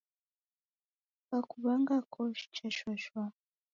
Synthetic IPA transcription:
kakuβaŋɡakʰɔʃi̥t͡ʃaʃwaʃwa

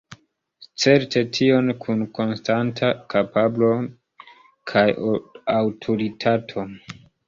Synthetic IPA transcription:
t͡se̞ɾte̞tʰio̞nkʰunko̞nstantʰakapablo̞ | kʰajawtʰoɾitʰatʰo̞

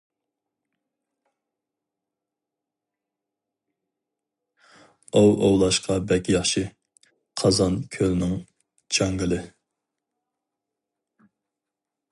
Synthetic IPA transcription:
owʔowlˠɑʃqʰɑbɛkʲʰijɑχʃi | qʰɑzɑnkʲʰølnɪŋ | t͡ʃʰɑŋɡɨlˠɨ

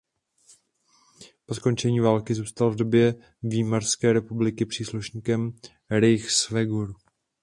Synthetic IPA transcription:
po̞sko̞nt͡ʃɛɲiːvaːlkɪzuːst̪alvdo̞bjɛ | viːmarskɛːɾɛpublɪkɪpr̝̥iːsluʃɲiːkɛm | ɾɪjxsvɛɡuɾ

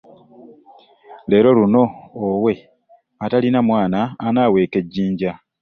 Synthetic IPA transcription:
le̞ːɾo̞luno̞ːwe̞ | atalinamwaːnaːnaːwe̞ːke̞ɟːiːɲɟa

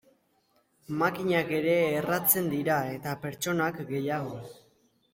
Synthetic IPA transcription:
makiɲake̞ɾe̞ːrat͡se̞nd̪iɾae̞t̪ape̞ɾt͡ʃo̞nakɡe̞jaɣ̞o̞

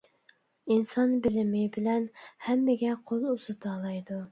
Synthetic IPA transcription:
insɑnbɪlɪmɪbɪlɛnhɛmːɪɡʲɛqʰolˠuzɨt̪ʰɑːlˠɑjd̪u

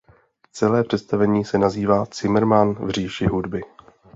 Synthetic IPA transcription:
t͡sɛlɛːpr̝̥ɛt̪st̪avɛɲiːsɛnaziːvaːt͡sɪmɾ̩manvr̝iːʃɪɦudbɪ

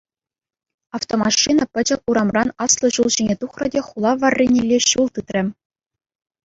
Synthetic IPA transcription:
ɑft̪omɑʂːinɑ̆pʲɘ̆d͡ʑɘ̆kuɾɑmrɑnɑslˠɤ̆ɕulˠʑinʲet̪uχrɤ̆dʲeχulˠɑʋɑrʲːinʲilʲːeɕulˠt̪ɯt̪rʲɘ̆

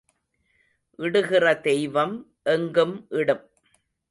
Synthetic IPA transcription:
ʔɪɽɯɣɪrɐd̪ɛjʋɐm | ʔɛŋɡɯmʔɪɽɯm

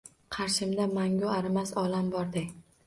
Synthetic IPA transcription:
qʰɑɾʃɪmd̪amaŋɡʊaɾmasɒlambɒɾd̪ɪkʲ

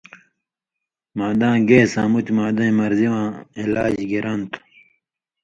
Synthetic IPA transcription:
maːd̪ãːɡeːsaːmut̪imaːd̪ãĩmɐɾziwãːilaːd͡ʑɡiɾɐnt̪

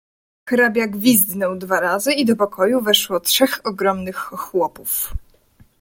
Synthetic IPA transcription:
xɾabʲjaɡvʲizd̪nɔwd̪vaɾazɘid̪ɔpɔkʰɔjuvɛʂwɔtʂɛxɔɡɾɔmnɘxːwɔpuf

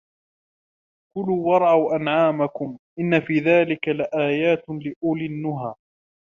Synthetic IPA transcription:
kʊluːwɑɾˤʕawʔanʕaːmakʊmʔɪnːafiːðaːlɪkalaʔaːjaːt̪lɪʔʊlɪnːʊɦaː

